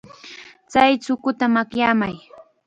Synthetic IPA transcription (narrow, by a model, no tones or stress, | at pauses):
t͡sajt͡sʊkʊt̪amakjaːmaj